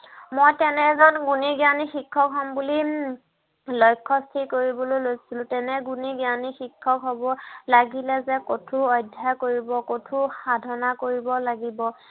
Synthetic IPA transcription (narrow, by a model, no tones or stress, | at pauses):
mojtɛnɛzanɡuniɡanixikʰːɔkɦɔmbuli | lɔjkʰːɔstʰikoɹibɔlojlojsilʊ̃tɛnɛɡuniɡanixikʰːɔkɦɔbɔlaɡilɛzɛkotʰuɔjdʱːakoɹibɔkotʰuxadʱɔnakoɹibɔlaɡibɔ